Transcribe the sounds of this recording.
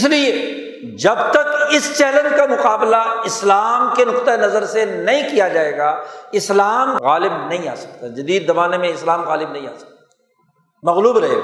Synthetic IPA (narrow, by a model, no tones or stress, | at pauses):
ɪslie | d͡ʒɐbt̪ɐkɪst͡ʃɛːlənd͡ʒkamʊqaːblaɪslaːmkenʊqt̪anɐzəɾsenɐɦĩkijad͡ʒaːeːɡaːɪslaːmɣaːlɪbnɐɦĩa̰ːsɐ̥k̚t̪ad͡ʒɐd̪iːd̪ːɐbaːnemẽɪslaːmɣaːlɪbnɐɦĩa̰ːsɐ̥k̪̚ | mɐɣluːbɾɐɦḛːɡa̰